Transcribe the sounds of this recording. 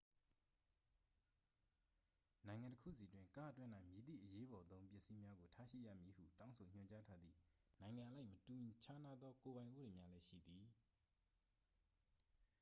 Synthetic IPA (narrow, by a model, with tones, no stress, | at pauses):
nã˨ɪ̃ŋã˨ntəkʰṵ˦˨s̬i˨twɪ̃˦ŋka̰˦ʔətwɪ̃˦nã˦˨ɪ̃mji˨d̪ḭ˦˨ʔəje˦bɔ˨t̪õ˦ʊ̃mp̬jɪ˦ʔsi˦mja˦ɡo˨tʰa˦ʃḭ˦˨ja̰˦˨mji˨hṵ˦˨tã˦ʊ̃nsʰo˨ɲ̥ʊ̃˨ɲt͡ɕa˦tʰa˦d̪ðḭ˦˨nã˨ɪ̃ŋã˨ʔəla˦ɪʔmətũ˨t͡ɕʰa˦na˦d̪ðɔ˦ko˨βã˨ɪ̃ʔu˦de˨mja˦lɛ˦ʃḭ˦˨d̪i˨